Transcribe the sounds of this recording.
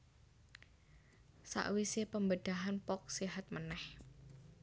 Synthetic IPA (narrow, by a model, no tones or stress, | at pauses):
sa̰ʔwisepəmbəd̪̥a̤ɦanpɔk̚siɦat̪̚mənɛh